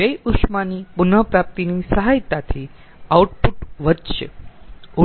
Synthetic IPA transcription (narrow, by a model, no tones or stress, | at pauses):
əjukʃmanipʊnəpɾap̚t̪inisəɦajt̪at̪ʰi | auʈpuʈʋəd̪ʃḛu